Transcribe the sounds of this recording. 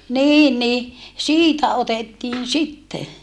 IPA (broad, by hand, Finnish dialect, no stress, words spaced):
niː ni siːtæ otetːiːn sitːe